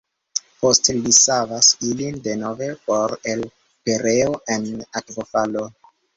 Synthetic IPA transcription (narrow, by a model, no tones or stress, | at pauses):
po̞stelisavasilindeno̞ve̞po̞ɾel | peɾeoʔenatvofalo